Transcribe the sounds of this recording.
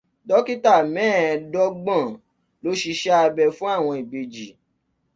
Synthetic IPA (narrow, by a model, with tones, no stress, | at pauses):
dɔ˦ki˦ta˦˨mɛ̃ː˦˨˧dɔ˦ɡ͡bã˦˨ | lo˨˦ʃi˧ʃɛ˦a˧bɛ˧fũ˦a˦˨w̃ɔ̃˧i˨be˨d͡ʒi˨˦